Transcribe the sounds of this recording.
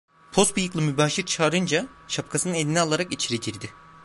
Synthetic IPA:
pʰo̞st̪bujɯklˠɯmybaːʃiɾt͡ʃʰaːɾɯnd͡ʒaʃap̚kʰasɯnɯne̞d̪inialˠaɾakit͡ʃʰiɾet̪ʰiɾd̪ɪ

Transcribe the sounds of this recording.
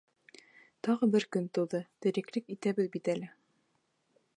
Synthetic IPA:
t̪ɑʁɤbɘɾkɵnt̪ɤ̆w̪ˠðɤt̪ɘ̆ɾɘ̆klɘkit̪æbɘðbit̪ælɘ

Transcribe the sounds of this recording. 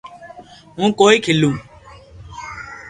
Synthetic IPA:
ɦũːkoːiːkʰɪlũː

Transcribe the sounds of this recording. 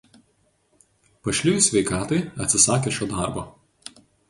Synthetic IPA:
pɐʃʲlʲɪjʊsʲʋʲɛɪkɑːt̪ɐɪɐt̪ʲsʲɪsɑːkʲeːʃʲoːd̪ɑˑɾboː

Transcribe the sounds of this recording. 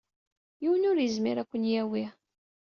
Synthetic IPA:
jiwənʊɾjəzmiɾækʷːənjæwi

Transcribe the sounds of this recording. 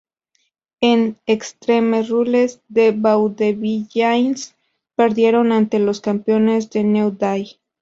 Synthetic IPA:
enekst̪ɾe̞mesrulezðe̞βawd̪eβiʝajns | pe̞ɾðje̞ɾo̞nant̪e̞lo̞skampjo̞ne̞zðe̞newd̪aj

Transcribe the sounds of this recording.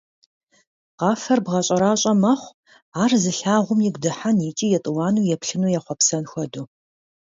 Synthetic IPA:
qɑːfɐrbʁɐɕʼɐɾaːɕʼɐmɐχʷ | aːrzɨɬaːʁʷʊmjɪɡʷdɨħanit͡ʃʼiːjɛtʼɨwɑːnuːjɛpɬɨnuːjɛχʷɔpsɐnxʷɔdu

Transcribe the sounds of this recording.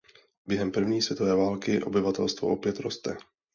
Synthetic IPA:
bjɛɦɛmpr̩vɲiːsvjɛt̪ovɛːvaːlkɪʔo̞̰bɪvat̪ɛlst̪voʔopjɛt̪ɾo̞st̪ɛ

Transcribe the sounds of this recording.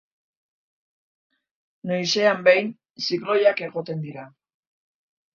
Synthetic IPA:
nojse̞ambejn | siklo̞jake̞ɣo̞t̪e̞nd̪iɾa

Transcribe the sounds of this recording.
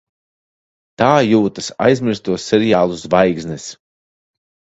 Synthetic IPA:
t̪aːjuːt̪asa̰jzmʲiɾst̪uɔsːɛɾijaːlˠusvajɡznɛs

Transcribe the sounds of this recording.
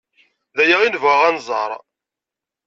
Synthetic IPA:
ðæjæʁinvəʁænzˤɑ̰ɾˤ

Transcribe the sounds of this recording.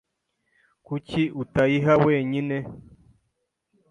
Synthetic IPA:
kuciutaiɦaweːɲine

